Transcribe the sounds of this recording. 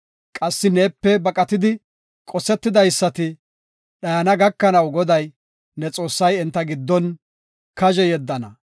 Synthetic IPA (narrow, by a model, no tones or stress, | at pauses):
kʼɐsːɪne̞ːpːɛbɐkʼɐt̪ɪd̪ɪ | kʼɔsɛt̪ːɪd̪ɐjsːɐt̪ɪ | ɗɐjɐnɐɡɐkːɐnɐwɡɔd̪ɐj | nɛt͡sʼo̞ːsːɐjɛnt̪ːɐɡɪd̪ːɔn | kɐʒɛjɛd̪ːɐnɐ